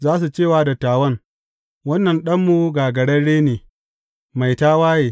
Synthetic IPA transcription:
zaː˦s̬u˨t͡ʃeː˦˨waː˦da˨tːaː˨wɐ˦ŋ | wɐ˦nːɐ˨nɗɐ˦mːu˦ɡaː˨ɡɐ˨ɽɐ˦ɽeː˦neː˨ | ma˨jtaː˦waː˦jeː˨

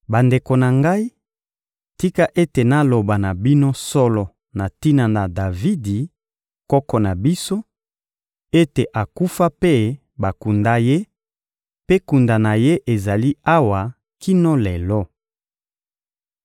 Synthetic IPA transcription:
ba˨nde˨ko˨na˨ŋɡa˦i˦ | ti˦ka˦ʔe˦te˨na˦lo˨ba˨na˨bi˦no˦sɔ˦lɔ˨ | na˨ti˦na˨na˨da˨vi˦di˨ | kɔ˦kɔ˨na˨bi˦so˦ | e˦te˨ʔa˨ku˦fa˦pe˦ | ba˨ku˨nda˦je˦ | pe˦ku˨nda˨na˨je˦ʔe˨za˨li˦a˦wa˨ | ki˦no˦le˨lɔ˦

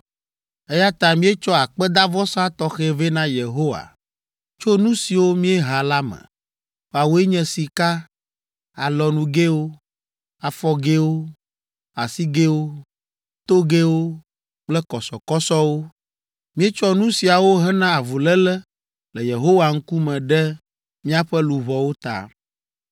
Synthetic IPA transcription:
e˦ja˦t̪ã˨mĩ˦e˦t͡ʃɔ˦a˨k͡pɛ˦d̪a˦vɔ˦sa˦t̪ɔ˦xe˦ve˦nã˦je˨ɦo˦wa̰˨ | t͡ʃo˦nũ˦si˨wo˦mĩ˦e˦ɦa˨la˦mɛ̰̃˨ | a˨wo˦e˦ɲɛ̃˨si˨ka˦ | a˨lɔ˨nũ˦ɡe˦wo˦ | a˨fɔ˦ɡe˦wo˦ | a̰˨si˦ɡe˦wo˦ | t̪o˦ɡe˦wo˦ | k͡plɛ˦kɔ˨sɔ˨kɔ˦sɔ˦wo˦ | mĩ˦e˦t͡ʃɔ˦nũ˦si˨a˨wo˦ɦɛ˦nã˦a˨vu˨lɛ˦lɛ˦ | lɛ˨je˨ɦo˦wa˨ŋ̩˦ku˦mɛ̃˨ɖɛ˦ | mĩ˦a˦˨ɸɛ˦lu˨βɔ˨wo˦t̪a̰˦

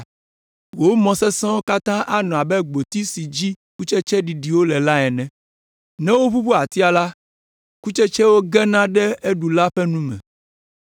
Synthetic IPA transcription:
wo˦mɔ̃˨sɛ˦sɛ̃˦wo˦ka˦t̪ã˦ʔa˦nɔ̃˨a˨bɛ˦ɡ͡bo˨t̪i˦si˨d͡ʑi˦ | ku˦t͡ʃɛ˦t͡ʃɛ˦ɖi˨ɖi˨wo˦lɛ˨la˦ɛ˨nɛ̃˨ | nɛ̃˦wo˦βu˦βo˦a˨t̪i˦a˨la˦ | ku˦t͡ʃɛ˦t͡ʃɛ˦wo˦ɡɛ˦nã˦ɖɛ˦e˦ɖu˨la˦ɸɛ˦nũ˦mɛ̰̃˨

